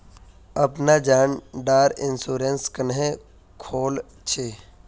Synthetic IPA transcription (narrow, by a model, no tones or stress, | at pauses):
ɐpnad͡ʒaːnɖaːɾɪnsuːɾẽnskənɦẽ | kʰoːl | t͡ʃʰe